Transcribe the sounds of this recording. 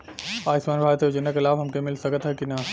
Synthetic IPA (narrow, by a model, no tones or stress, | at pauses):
aːɪsmaːnbʱaːɾət̪eɐd͡ʒənekɪlaːbɦɐmkemɪlsɐkət̪ɦɛkina